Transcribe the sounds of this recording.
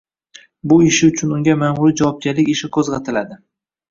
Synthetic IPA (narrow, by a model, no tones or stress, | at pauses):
bʊɪʃɪʊt͡ʃʰʊnʊŋɡʲamamʊlɪd͡ʒawɒp̚ɡʲaɾlɪkʲɪʃɪkʰɵzʁat̪ʰɪlad̪ɪ